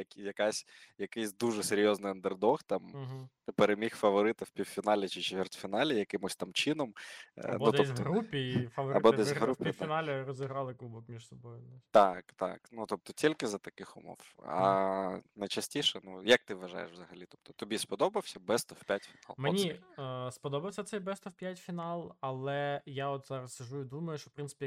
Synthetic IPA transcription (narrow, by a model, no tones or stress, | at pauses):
jɐkijɐkasʲjɐkɪjsʲd̪uʒɛseɾʲjɔznɪjɐnd̪erd̪ɔxt̪ɑm | peɾemʲixfɐʋɔɾɪt̪ɐwpʲiwfʲinɑlʲɐt͡ʃɪt͡ʃt̪ʲʋʲɛrtʲfʲinɑlʲɪjɐkɪmʊsʲt̪amt͡ʃɪnɔmnud̪ɔɛsʲɦɔɾupʲifɐɔɾɐbɔɛsʲɦɾupʲit̪nalʲɐɾɔzʲɪɦɾɑlˠɪklˠubɔkmʲiʃsɔbɔjʊt̪ɑkt̪a̰knut̪ɔp̚t̪ɔtʲilʲkɪzɐt̪ɐkɪxʊmɔ̰wɐ̰ | nɐjt͡ʃɐsʲtʲiʃɛnujɐk̚t̪ɪʋɐʒa̰jḛʃʋzɐɦɐlʲit̪ɔp̚t̪ɔ̥t̪ɔbʲispɔd̪ɔbɐwsʲɐbɛst̪ɔwpʲatʲfʲinɑ̰lˠmenʲispɔd̪ɔbɐwsʲɐt̪sɛjbɛst̪ɔwpʲjatʲfʲinɑlˠɐlˠɛjaɔt̪zɑɾɐsʲɐʒujʊd̪umɐjʊʃt͡ʃɔ̥pɾɪnsɪ̥pʲi